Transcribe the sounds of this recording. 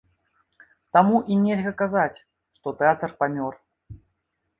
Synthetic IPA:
t̪amuʔinʲelʲɣɐkazat͡sʲ | ʂt̪ɔt̪ɛat̪ərpamʲɔr

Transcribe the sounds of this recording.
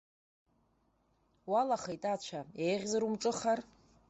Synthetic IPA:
walaχajtʼat͡ɕʷʰaejʁʲzaɾumʈ͡ʂʼɨχar

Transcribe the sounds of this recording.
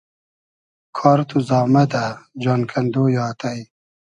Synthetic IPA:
kʰɔːɾt̪ʰuzɑːmɐd̪ad͡ʒonkʰɐnd̪oːjɑːt̪aj

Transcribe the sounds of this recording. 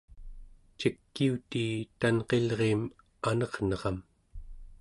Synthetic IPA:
t͡ʃikːiut̪iːt̪anqe̞lʁeːm | anʌʁnʌʁɑm

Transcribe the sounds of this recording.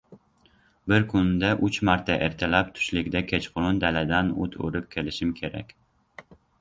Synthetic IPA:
bɪɾkʰʊnd̪aʔʊt͡ʃmaɾt̪ʰaʔeɾt̪ʰalap̚t̪ʰʊ̥ʃlɪkʲd̪akʲʰet͡ʃqʰʊɾʊnd̪alad̪anʊ̰t̪ʰo̰ɾɪp̚kʲʰelɪʃɪmkʲʰeɾa̰kʲ

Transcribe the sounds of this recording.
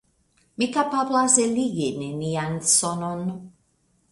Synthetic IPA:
mikapablaseliɡenenijansɔnɔnu

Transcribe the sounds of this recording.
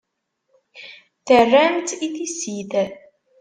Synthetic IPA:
θərːæmt̪iθisiθ

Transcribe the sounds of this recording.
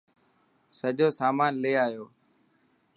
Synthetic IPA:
səʄoːsaːmaːnleːaːjoː

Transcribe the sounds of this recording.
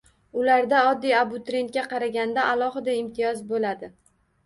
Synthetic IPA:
ʊlaɾd̪aɒd̪ːijabʊt̪ɾʲe̞nt̪̚kʲaqʰɑɾaɡʲand̪aʔalˠɒɦɪd̪aɪmt̪ʰɪjɒzbolad̪ɪ

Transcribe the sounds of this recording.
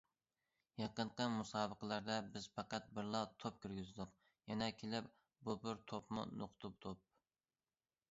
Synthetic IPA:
jɑqəɴqəmusɑːbəqəlˠæɾd̪ɛbɪz̥pɑqɑt̪̚bɪɾlˠɑt̪ʰop̚kʲyɾɡʲyzd̪ʊq | jɛnɛkʲʰelɪp | bubɪɾt̪ʰopmṵnoqʰt̪ʰup̚t̪ʰop̚

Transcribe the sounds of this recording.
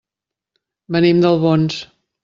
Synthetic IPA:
bənimd̪əlˠβons

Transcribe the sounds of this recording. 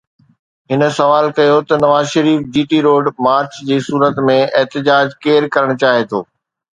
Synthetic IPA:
ɦɪnə̆sɐʋaːlkɐjot̪ɐnɐʋaːzʃɐɾiːfd͡ʑiːʈiɾoːɖmaːɾt͡ɕd͡ʑiːsuːɾət̪mẽɛɦt̪ɪd͡ʑaːd͡ʑkeːɾkɐɾəɽ̃t͡ɕaːɦet̪ʰo̰ː

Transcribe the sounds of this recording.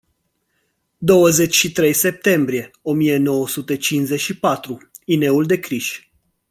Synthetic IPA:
d̪o̞wəze̞t͡ʃʲʃit̪ɾe̞jse̞p̚t̪e̞mbɾie̞o̞mije̞no̞wəsut̪e̞t͡ʃinze̞t͡ʃʃipat̪ɾu | ine̞uld̪e̞kɾiʃʲ

